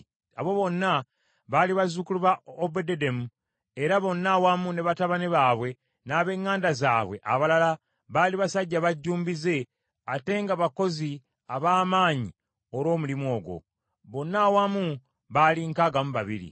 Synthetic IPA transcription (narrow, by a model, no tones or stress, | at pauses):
a̰βo̞βo̞nːa | βaliβazukuluβaobedede̞mu | eɾaβo̞nːawamune̞βataβaneβaːβwe̞ | naːβe̞ŋːaːndazaːβwe̞̰ʔa̰βalala | βaliβasaɟːaβaɟːuːmbize̞ | ate̞ŋɡaβako̞zi | aβaːmaːɲi | olwo̞ːmulimo̞ːɡwo̞̰ | βo̞nːawamu | βaliŋkaɡamuβa̰βḭɾḭ